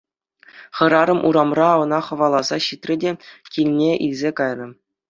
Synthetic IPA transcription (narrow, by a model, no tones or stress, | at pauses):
χɤ̆ɾɑɾɤ̆mʔuɾɑmrɑɤ̆nɑχɤ̆ʋɑlˠɑzɑɕit̪ʲrʲɘ̆dʲekʲilʲnʲeʔilʲzʲekɑjnɤ̆